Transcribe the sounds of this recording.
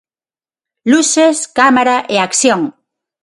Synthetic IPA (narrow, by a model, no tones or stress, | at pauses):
luseskamaɾaʔeakθjõŋ